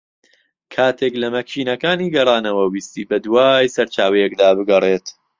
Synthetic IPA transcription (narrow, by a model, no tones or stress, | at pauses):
kʰaːt̪ʰeklɐmɐkt͡ʃiːnɐkaːniːɡɐrˤɑːnɐwɐwiːst̪iːbɐd̪uwaːjsɐɾt͡ʃaːwɐjekd̪aːbɨɡɐreːt̪